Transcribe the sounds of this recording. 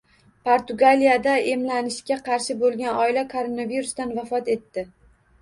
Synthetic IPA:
pʰoɾt̪ʊɡalijad̪ae̞mlanɪʃkʲaqʰɑɾʃɪbolˠɡʲanɒɪlakʰoɾonaviɾʊst̪anvafɒt̪e̞t̪ːɪ

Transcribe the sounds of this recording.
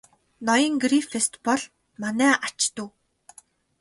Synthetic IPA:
nɔjɞ̆ŋɡɾifest̪pɔɮ | manæːʔat͡ɕt̪ŭː

